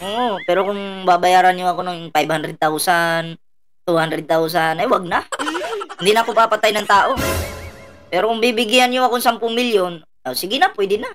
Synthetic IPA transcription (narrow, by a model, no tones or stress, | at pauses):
ʔoʔpɛːɾokʊŋbaːbajaːɾanɲoɐkonaŋpajbhand̪ɾɛd̪̚t̪awsan | t̪uhand̪ɾɛd̪̚t̪aws̬anɐjwaɡ̚na | hɪnd̪inakomapat̪ajnɐŋt̪aːʔo | pɛɾokʊŋbibɪɡɪanɲoɐkoŋsampʊŋmɪljon | asɪɡɪnapwɛd̪ɪna